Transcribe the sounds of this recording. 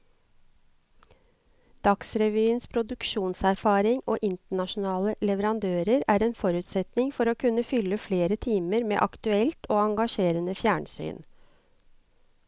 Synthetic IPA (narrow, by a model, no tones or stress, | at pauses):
d̪̥ɑksɾɛʋyːənspʰɾʊd̪ʉkʃuːnsæɾfɑːɾɪŋoːʔɪnt̪əɳɑʃʊn̩ɑːləlɛʋəɾɑnd̪øːɾəɾæːɾeːnfɔɾʉːt̪sɛt̪nɪŋfɔɾoːkʰʉnːəfʏlːəfleːɾət̪ʰiːməɾmḛːʔɑkt̪ʉɛlt̪oːɑŋɡɑʂeːɾənəfjæːɳsy̰ːn